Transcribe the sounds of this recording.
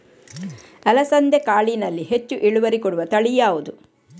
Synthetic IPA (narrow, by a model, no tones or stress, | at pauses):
ɐlɐsɐnd̪ʱekaːɭinɐlːiɦet͡ʃːuʔiɭuʋɐɾikɔɽuʋɐt̪ɐɭijaːʋud̪u